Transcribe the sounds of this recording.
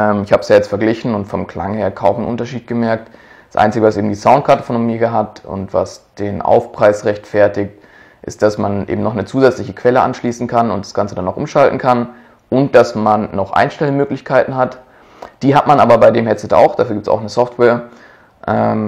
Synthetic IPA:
ʔɛːmɪçhaːbəsjaːjɛt͡stfɛɐɡlɪçn̩ʊntfɔmkʰl̥a̰ŋheːɐkʰaʊmnʔʊ̰ntɐʃiːt̚ɡ̥əmɛɐk̚t | d̥sʔa̰ɪnt͡sɪɡəvasʔeːbm̩diːzaʊnt̚kʰaɐtofonomiːɡəɦatʰʊ̰ntva̰sd̥eːnʔa̰ʊfpʁ̥aɪsʁɛçtfɛɐtɪkt | ʔɪ̰st̚d̥asmanʔḛːbm̩nɔχnət͡suːzɛt͡slɪçəkʰv̥ɛləʔa̰nʃliːsn̩kʰanʊntd̥ḁsɡ̥ant͡sədanːɔʊxʔʊ̰mʃaltn̩kʰan | ʔʊnt̚d̥asmanːɔχʔa̰ɪnʃtɛlənmøːklɪçkʰaɪtn̩ɦat | d̥iːɦatmanʔaːbɐbaɪdeːmhɛtt͡sɛta̰ʊxd̥afyɐɡiːptsa̰ʊxnəsɔftvɛːɐ | ʔɛːm

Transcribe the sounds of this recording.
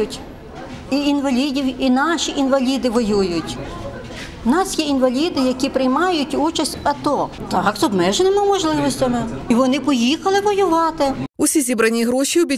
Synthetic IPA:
ʊtʲ | iinʋɐlʲidʲiwinɑʃiʔinʋɐlʲid̪ɪʋɔjujʊtʲ | nɑsjɛinʋɐlʲid̪ɪjɐkʲipɾɪjmɑjʊtʲut͡ʃɐsʲtʲɐt̪ɔt̪ɑkzɔbmɛʒenɪmɪmɔʒlˠɪʋɔsʲtʲɐmɪiʋɔnɪpɔjixɐlˠɪʋɔjʊʋɑt̪ɪʊsʲizʲibɾɐnʲiɦɾɔʃʲiɔbʲi

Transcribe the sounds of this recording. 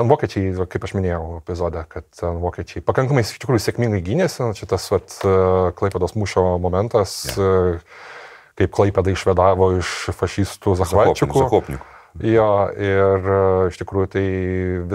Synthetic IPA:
ɐnʋoːkʲɛt͡ʃʲɛɪɐkɐɪpɐʃmʲɪnʲeːjɛʊɛpʲɪzoːd̪ʲɛkɐt̪tʲɛnʋoːkʲɛt͡ʃʲɛɪpɐkɐŋkɐmɐɪsɪ̥ʃt̪ʲɪkɾujʊsʲeɛkʲmʲiŋɡɐɪɡʲinʲeːsʲɪt͡ʃʲɪt̪ɐsʋɐt̪klˠɐɪpʲɛd̪oːsmuːʃʲoːmoːmʲɛnt̪ɐs | kɐɪpklˠɐɪpʲɛd̪ɐɪʃʲʋʲɛd̪ɑːʋoːɪʃfɐʃʲiːst̪uzɐxʋɑːt͡ʃʲʊkʊoːpʲnʲɪk | joːɪrɪʃt̪ʲɪkɾuːjʊt̪ɐɪʋʲɪ

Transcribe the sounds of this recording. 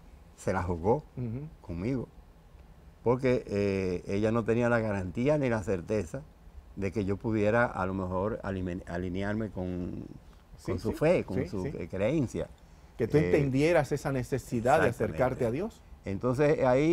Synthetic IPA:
se̞laɦuɣo̞ko̞ŋmiɣo | po̞ɾke̞ʔeeʝano̞t̪e̞nialaɣaɾant̪ianilase̞ɾt̪e̞sa | ðe̞ke̞ʝo̞puðje̞ɾaʔa̰lo̞mexo̞ɾa̰lia̰linjaɾme̞ko̞ŋ | konsufe̞konsukɾeensja̰ | ket̪uent̪end̪je̞ɾasesanesesiðaðeaeɾkaɾt̪eaðjo̞se̞nt̪o̞ns̬e̞sai

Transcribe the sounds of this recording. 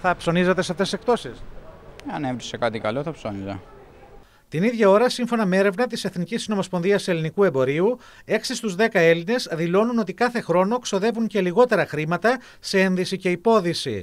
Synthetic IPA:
θɐpso̞nizet̪e̞seft̪esise̞k̚t̪o̞siseɐnevɾisekɐt̪ikɐloθɐpsonizḛ | t̪iniðʝɐo̞ɾɐsiɱfo̞nɐmee̞ɾe̞vnɐt̪̬ise̞θnicisno̞mo̞spo̞nðiɐse̞linikue̞mbo̞ɾiu | e̞ksist̪uzðe̞kɐe̞line̞zðilo̞nuno̞t̪ikɐθe̞xɾo̞no̞ekso̞ðe̞vuɲce̞liɣo̞t̪e̞ɾɐxɾimɐt̪ɐ | see̞nðisice̞ipo̞ðisḭ

